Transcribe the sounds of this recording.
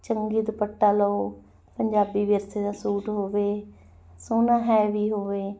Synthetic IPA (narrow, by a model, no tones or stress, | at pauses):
t͡ʃəŋɡiːd̪pəʈːaːlɔo | pəɲd͡ʒaːbiːʋeɾseːd̪ãːsuːʈɦoːʋeː | soːnãːɦɛːʋiːɦoːʋeː